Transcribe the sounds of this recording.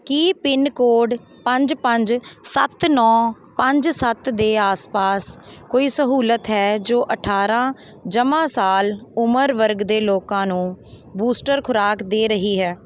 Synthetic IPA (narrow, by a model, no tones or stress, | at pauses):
kiːpɪnkoːɖ | pəɲd͡ʒpəɲd͡ʒsə̰t̪nɔː | pəɲd͡ʒsət̪d̪eːaːspaːskoːiːsəɦuːlət̪ɦɛːd͡ʒoːʔəʈʰaːɾãː | d͡ʒəmãːsaːlʊməɾʋəɾɡd̪eːloːkãːnũː | buːsʈəɾkʰʊɾaːkd̪eːɾəɦiːɦɛː